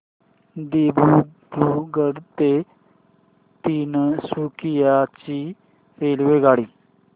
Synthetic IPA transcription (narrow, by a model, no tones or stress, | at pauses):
d̪eːbuːbuːɡəɽt̪eː | t̪iːnsuːkijaːt͡ʃiː | ɾeːlʋeːɡaːɽiː